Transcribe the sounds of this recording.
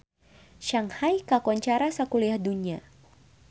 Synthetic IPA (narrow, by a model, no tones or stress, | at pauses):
ʃaŋhajkakɔɲt͡ʃaɾasakuliahdunia